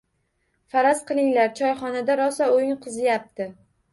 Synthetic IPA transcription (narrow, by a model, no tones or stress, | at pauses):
faɾazqɨlˠɪŋlaɾt͡ʃʰɒjχɒnad̪aɾɒsaojɪŋqʰɨzɪjap̚t̪ʰɪ